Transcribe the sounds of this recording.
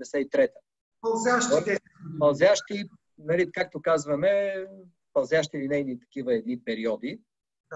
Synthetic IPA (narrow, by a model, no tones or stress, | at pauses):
nɛsɛit̪ɾɛt̪ə̥ | pɐlˠzʲjaʃt̪t̪ɛ | mɐlˠzʲjaʃt̪i | nɐlikak̚t̪okazvɐmɛ | pɐlˠzjaʃt̪ilinɛjnit̪ɐ̥k̟ivɐɛd̪̚nipɛɾiɔd̪i